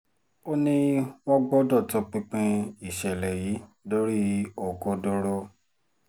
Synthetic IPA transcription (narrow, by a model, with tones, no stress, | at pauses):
o˦nĩ˦wɔ̃˦ɡ͡bɔ˦dɔ˦˨tɔ˧k͡pĩ˧k͡pĩ˧i˨ʃɛ˨lɛ˨ji˨˦do˦ɾi˦ɔ˨ɡɔ˧dɔ˧ɾɔ˦